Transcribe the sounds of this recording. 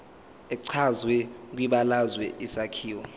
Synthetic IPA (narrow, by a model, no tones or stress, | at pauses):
ɛǀʰazwɛk̬wiɓalazwɛʔisakʰiːwɔ